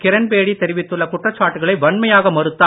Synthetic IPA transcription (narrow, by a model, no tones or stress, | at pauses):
kɪɾɐnpeːɽit̪ːɛɾɪʋɪt̪ːɯɭːɐkʊʈːrɐt͡ʃːaːʈːɯɣɐɭɐɪʋɐɳmɐjaːɣɐmɐɾɯt̪ːa